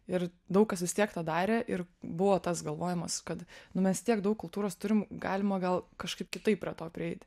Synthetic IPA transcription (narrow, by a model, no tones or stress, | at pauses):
ɪrd̪ɐʊk̚kɐsʋʲɪst̪ʲiɛkt̪ɑːd̪ɑːɾʲeːʔɪrbʊʋoːt̪ɐsɡɐlˠʋoːjɛmɐskɐt̪nʊmʲɛst̪ʲiɛkdɐʊkkʊlˠt̪uːɾoːst̪ʊɾʲɪmɡɑːlʲɪmɐɡɐlˠkɐʃkɐɪp̚kʲɪt̪ɐɪp̚pʲɾʲiɛt̪oːpʲɾʲɪɛɪt̪ʲ